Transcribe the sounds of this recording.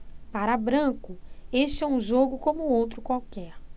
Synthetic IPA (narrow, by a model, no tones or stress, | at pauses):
paɾɐbɾɐ̃kʊeʃt͡ʃɪɛũʒoɡʊkõmʊowt̪ɾʊkwawkɛɾ